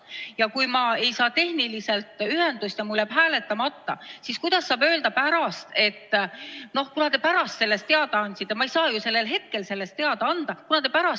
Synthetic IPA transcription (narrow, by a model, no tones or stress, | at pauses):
jɑkujmɑe̞jsɑːt̪e̞hnilise̞lt̪ˑyɦe̞nd̪̥usʲt̪jɑmuljæb̥ɦæːle̞t̪ːˑɑmɑt̪ːɑ̰siskujd̪̥ɑsːɑːbø̞ːld̪ɑpæɾɑst̪e̞t̪ːˑno̞hkunɑt̪epæɾɑst̪se̞lːe̞st̪e̞ɑd̪̥ɑɑnʲd̪ʲsit̪ˑːemɑejsɑːjuse̞lːe̞lɦe̞t̪̚ke̞lse̞lːe̞st̪e̞ɑd̪̥ɑɑnd̪̥ɑkunɑt̪e̞pæɾɑ